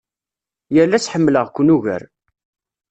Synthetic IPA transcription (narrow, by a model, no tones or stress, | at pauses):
jəlːæt͡sħəmːləʁkʷːʊnuʝə̰ɾ